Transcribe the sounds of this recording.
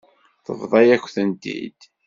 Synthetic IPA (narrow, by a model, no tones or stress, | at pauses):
θə̰vðˤɑjækʷːθənd̪ḭd̪̥